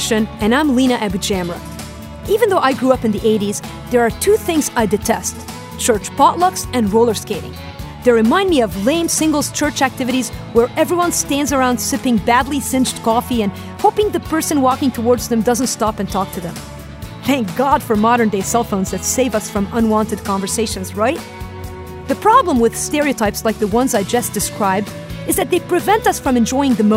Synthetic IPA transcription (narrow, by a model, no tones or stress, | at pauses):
ʃɨ̃nɨ̃nãɪ̃mlĩñɨʔæbid͡ʒæ̃mɹə̰ | ivɨ̃nðoʊʔaɪɡɹuʌpɨ̃nðiʔeɪɾiz | ðə˞ːtʰʉθɪ̃ŋzaɪdɨtʰɛst | t͡ʃʰɜ˞t͡ʃpʰɑʔˡlʌksɨ̃nɹoʊlˠə˞skeɪɾɪ̰̃ŋ | ðɨɹɨmãɪ̃ndmiʌvlẽɪ̃msɪ̃ŋɡl̩ˠz̥t͡ʃʰɜ˞t͡ʃæk̚tʰɪvɨɾizwə˞ʔɛvɹiwʌ̃nstæ̃ndzə˞ãʊ̃nd̥sɪpɪ̃ŋbædˡlisɪ̃nd͡ʒdkʰɔfiɨ̃n | hoʊpɪ̃ŋðɨpʰɜ˞sɨ̃nwɔkɪ̃ŋtʰəwɔɹdzðɨ̃mdʌzə̃ntstɑpɨ̃ntʰɔk̚tʰɨðɨ̃m | θæ̃ŋk̚ɡ̥ɑd̥fə˞mɑɾə̃˞ndeɪsɛlˠfõʊnzðɨtseɪvʌsfɹʌ̃mʌ̃nwɑ̃ntɨd̚kʰɑ̃ɱvə˞seɪʃɨ̃nzɹaɪt̚ | ðɨpʰɹ̥ɑblə̃mwɨð̥stɛɹiɨtʰaɪpslaɪk̚ðəwʌ̃nzaɪd͡ʒʌsd̥ɨskʰɹaɪb̚d | ɨzðɨt̪̚ðeɪpʰɹ̥ɨvɛ̃ntʌsfɹʌ̃mɨ̃nd͡ʒɔɪɪ̃ŋðɨmo